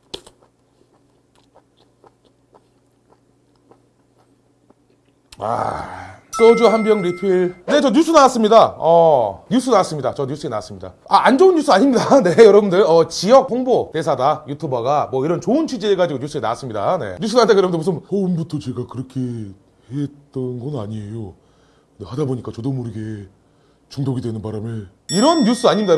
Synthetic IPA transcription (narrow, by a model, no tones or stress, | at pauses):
a̰ | k͈ʌd͡ʑuɦanbjʌŋɾipʰiɭne̞t͡ɕʌɲusʰunawas͈ɯmɲidaʌɲus͈ʰɯnawas͈ɯmɲida̰t͡ɕʌɲus͈ʰɯena̰was͈ɯmɲida̰ | aʔand͡ʑounjus͈ʰɯaɲimɲidane̞jʌɾʌbundɯɭʌt͡ɕijʌk̚hoŋbotesʰadajutʰubʌɡamwʌiɾʌnt͡ɕoɯnt͡ɕʰɥid͡ʑieɡad͡ʑiɡoɲus͈ʰɯena̰was͈ɯmɲida̰ne̞̰ɲus͈ʰunaatdajʌɾʌbɯndɯmusʰɯnhʌɯnbutʰʌt͡ɕe̞ɡakɯɾʌkʰe̞ | het͈ʌnɡʌnaɲiejo | nehadaboɲik͈at͡ɕʌdomuɾiɡe̞ | t͡ɕuŋdoɡidwenɯnbaɾame | iɾʌnːus͈ɯaɲimɲida